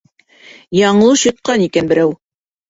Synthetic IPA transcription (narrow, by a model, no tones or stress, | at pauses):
jɑɴ̆lˠɤɕŏt̪̚qɑnikænbɘ̆ɾæw